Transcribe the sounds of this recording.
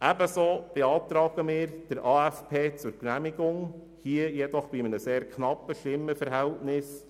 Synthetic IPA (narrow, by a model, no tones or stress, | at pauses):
ʔæbəsoːb̥eɑːt̪ɾɑːɡ̥əmɪːɾd̥əɾʔɑːæfpʰeːt͡sʊɾknæmiɡʊŋ | hiːəjɛd̪ɔχb̥iɪmənəseːɾkʰnɑpːəʃtɪmːəfəɾɦæltnɪs